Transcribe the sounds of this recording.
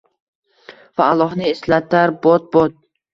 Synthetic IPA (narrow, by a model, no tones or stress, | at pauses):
vaːlˠːɒɦnɪeslat̪ʰaɾbɒt̪̚bɒt̪̚